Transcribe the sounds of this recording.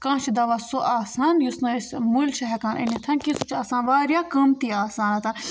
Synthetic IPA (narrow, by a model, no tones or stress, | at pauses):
kãːt͡ʃʰid̪ɐʋasoʔaːsaːnjusnɐesmulʃɐɦɐkaːnʔɐ̰nɐt̪ʰɐnkist͡ʃʰaːsaːnʋaːɾjaːkɐmt̪iːaːsaːnɐt̪ʰan